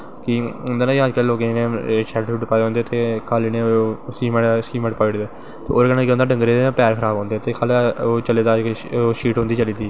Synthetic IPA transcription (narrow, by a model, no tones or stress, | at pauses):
kɪʊnd̪aːnaːad͡ʒkalːloːkenẽʃɛʈʃuːʈpaːõːnd̪et̪eːkʰaːlinesiːmɛ̃siːmɛ̃ːʈpaːɪɽd̪eː | t̪ḛːoːɾkənãkeʊ̃nd̪aːɖə̃ŋɡɾeːpɛːɾkʰəɾaːbɔ̃ːnd̪eːt̪eːkʰaːloːt͡ʃəleːd̪aːkːʃiːʈɦʊ̃nd̪iːt͡ʃəliːd̪iː